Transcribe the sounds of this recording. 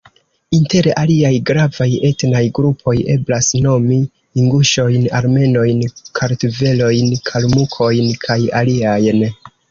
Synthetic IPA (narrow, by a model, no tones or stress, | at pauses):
inte̞ɾaliajɡɾavaje̞tnajɡɾupʰo̞je̞̰blasno̞mi | iŋɡuʃo̞jna̰ɾme̞no̞jnkʰaɾtuve̞lo̞jnkʰalmukʰo̞jnkʰaja̰liajn